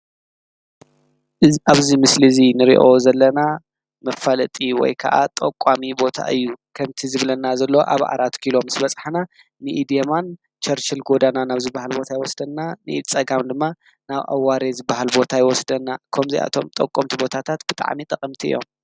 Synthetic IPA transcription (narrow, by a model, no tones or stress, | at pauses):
ʔɨʔaβzimɨslizinɨɾḭʔozɐlːɐna | mɐfalɐt̪ʼiwɔ̰jkʰɐ̰ʔa̰t̪ʼɐkʼamibo̞t̪ʰa̰ʔɨjːukʰɐmt̪ʰizɨβlɐnːazɐlːoo̰ʔa̰βʔa̰ɾat̪kʰilo̞msbɐt͡sʼħana | miʔid̪ijeman | t͡ʃʰɐɾt͡ʃɪlɡo̞d̪ananaβzɨbːahalbo̞t̪ʰajɪwɔsd̪ɐnːanɨʔt͡sʼɐɡamd̪ɨmːa | naβʔa̰waɾezɨbahalbo̞t̪ʰajɪwɔsd̪ɐnːakʰɐmziʔa̰t̪ʰo̞̰mt̪ʼɐkʼomt̪ʰibo̞t̪ʰat̪ʰat̪b̥ɨt̪ʼa̰ʕmit̪ʼɐqʼɨmt̪ʰiɨ̰jːo̞̰m